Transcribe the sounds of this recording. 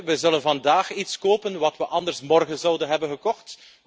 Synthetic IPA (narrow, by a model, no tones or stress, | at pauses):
ʋəzɵlənvɑndaːxitskoːpənʋɑtʋəʔɑndərsmɔrɣənzɑwdənɦɛbənɣəkɔxt